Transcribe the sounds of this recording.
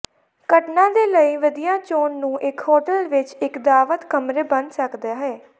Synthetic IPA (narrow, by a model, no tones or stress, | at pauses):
kəʈnãːd̪eːləiːʋəd̪ijaːt͡ʃoːnːũːʔɪkhoːʈəlʋɪt͡ʃɪkd̪aːʋət̪kəmɾeːbənsəkd̪aːɦɛː